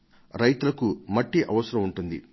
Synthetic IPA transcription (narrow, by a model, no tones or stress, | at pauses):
ɾɐjt̪ulɐkumɐʈːiʔɐʋɐsɐɾɐmuɳʈund̪ḭ